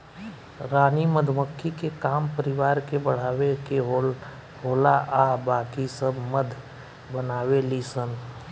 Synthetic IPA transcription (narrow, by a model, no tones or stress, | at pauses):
ɾaːniməd̪ʱməkʰːikekaːmpəɾɪʋaːɾkebəɽ̤aːweke | ɦoːlaʔabaːkisəbʱməd̪ʱ | bənaːwelisən